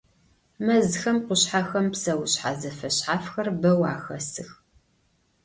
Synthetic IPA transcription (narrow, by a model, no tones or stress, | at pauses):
mɐzxɐmqʷʊɕħaxɐmpsɐwɕħa̰zɐfɐɕħaːfxɐrbɐwa̰ːxɐsɨx